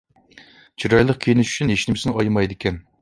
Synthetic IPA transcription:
t͡ʃʰiɾɑjlˠəq̚kʲʰejinɪʃy̥t͡ʃʰyneʃnɪmɪsɪnɪɑjmɑjd̪ɪkʲʰɛn

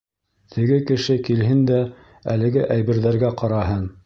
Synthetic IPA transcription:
t̪ʰɘ̆ɡɘkɘ̆ʃɘkilɦɘnd̪æ | ælɘ̆ɡɘʔæjβɘ̆ɾðæɾɡæqɑɾɑɦɤn

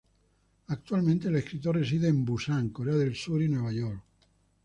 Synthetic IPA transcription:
ak̚t̪ualmẽnt̪eleskɾit̪oresiðeːmbusaŋkoɾeaðelsuɾinweβajoɾk

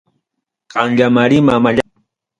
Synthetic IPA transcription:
qɑŋʎamaɾɪmamaʎa

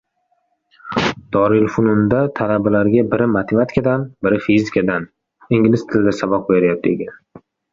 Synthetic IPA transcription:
d̪̥ɒɾɪlfʊnʊnd̪at̪ʰalabalaɾɡʲabɪɾɪmat̪ʰemat̪ʰɪ̥kʰʲad̪anbɪɾɪfizikʰad̪an | iŋɡʲlɪst̪ʰɪld̪asabɒq̚beɾjap̚d̪ḛɡʲan

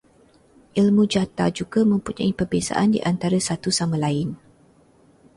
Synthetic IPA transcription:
ʔilmũd͡ʒat̪a̰d͡ʒuɡamə̃mpuɲa̰ipərbesa̰ʔandḭʔant̪aɾasat̪usamalaɪn

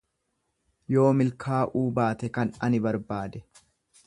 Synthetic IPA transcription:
jo̞ːmɪlkʰaːʔuːbaːt̪ɛkɐnɐnɪbɐɾbaːd̪ɛ

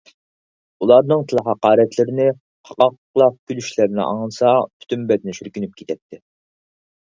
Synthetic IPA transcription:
ulˠɑɾnɨŋt̪ʰɨlˠəɦɑqɑːɾɛt̪ʰlɪɾɪnɪ | qʰɑqɑq | lˠɑq̚kʰʲylyʃlæɾnɪ̰ʔɑ̰ŋlˠɨsɑpʰy̥t̪ʰymbɛt̪nɪʃyɾkʲynyp̚kʲʰi̥t̪ʰɛt̪ʰːɪ

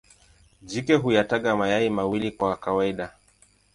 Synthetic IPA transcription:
d͡ʒikɛɦujataɠamajaimawilikwakawaiɗa

